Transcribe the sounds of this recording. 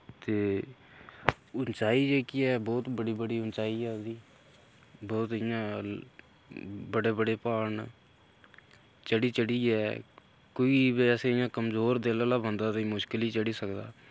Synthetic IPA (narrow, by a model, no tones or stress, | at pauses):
t̪eː | ʊnt͡ʃaːiːd͡ʒeːkiːɛːbɔːt̪bəɽiːbəɽiːʊnt͡ʃaːiːɛːd̪iː | bɔːt̪ɪjãː | bəɽeːbəɽeːpaːɳ | t͡ʃəɽiːt͡ʃəɽiːɛː | koːiːbeːseɪjãːkəmzoːɾd̪eːləlaːbənd̪aːt̪ĩːmʊʃkəliːt͡ʃəɽiːsəkd̪a̰ː